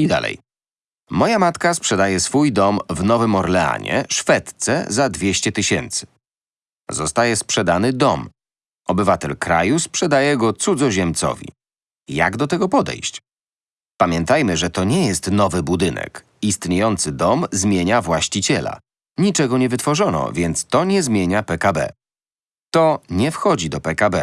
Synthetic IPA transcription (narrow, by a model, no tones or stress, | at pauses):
id̪a̰lɛ̰j | mɔjamat̪kaspʂɛd̪ajɛsfujd̪ɔmvnɔvɘmɔɾlɛa̰ɲɛ̰ʂfɛt̪t̪sɛ̰zad̪vʲjeɕt͡ɕɛt̪ɘɕɛnt̪sɘ̥ | zɔst̪ajɛspʂɛd̪anɘd̪ɔm | ɔbɘvat̪ɛlkɾa̰juspʂɛd̪ajɛɡɔt̪sud̪zɔʑɛmt̪sɔ̰vʲḭ | ja̰ɡd̪ɔt̪ɛɡɔpɔd̪ɛ̰jɕt͡ɕ | pamʲjɛnt̪ajmɘʐɛt̪ɔɲɛjɛst̪nɔvɘbud̪ɘnɛ̰k | ist̪ɲejɔnt̪sɘd̪ɔmzmʲjeɲavwaɕt͡ɕit͡ɕɛla̰ | ɲit͡ʂɛɡɔɲɛvɘt̪fɔʐɔnɔ̰vʲjɛnt̪st̪ɔɲɛzmʲjeɲapɛkabɛ̰ | t̪ɔɲɛfxɔd͡ʑid̪ɔpɛkabɛ